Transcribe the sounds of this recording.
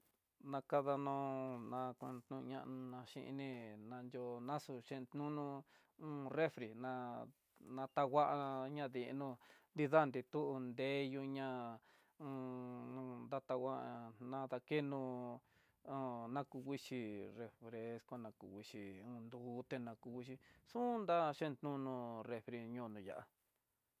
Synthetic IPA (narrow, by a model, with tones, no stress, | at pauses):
nã˧ka˦ða˧nõ˧nã˧kʷã̰˧t̪nṵ̃˧ɲã̰˦˧ʔnũ˧nã˧ʃḭ̃˦˧ʔḭ˧nĩ˦˧nã˧nd͡ʒo˧nã˦su˧ʃẽ˧t̪nũ˦nũ˦˧ | ũ˦re˦fɾi˨nã˧ | nã˧t̪a˧ɣa˦ʔa˧ɲã˦ði˧ʔnũ˧nd̪i˦˧ða˦˨nd̪i˧t̪u˦ʔu˧nd̪eː˨˦ju˧ɲã˦ | ũ˧ | nd̪a˧t̪a˧wʷa˦ʔnã˧ða˧ke˦nũ˧ | ũ˧nã˧ku˧wʷi˦ʃi˧re˧fɾe˧skʷa˧nã˧ku˧wi˧ʂi˧ũ˧nd̪uː˨˦t̪e˧nã˧ku˧wʷi˦ʃ̬i˧sũ˦nd̪a˦ʃẽ˦˧n˧t̪nũ˦nũ˧re˧fɾi˧ɲũː˦˧nũ˧˨ja̰˨ʔa̰˧